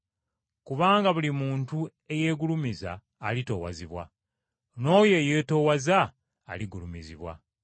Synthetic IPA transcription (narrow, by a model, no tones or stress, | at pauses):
kuβaːŋɡaβulimuːntu | e̞je̞ːɡulumiza̰ː | lito̞̰wa̰ziβwa̰ | no̞ːje̞je̞ːto̞waza̰ː | liɡulumiziβwa̰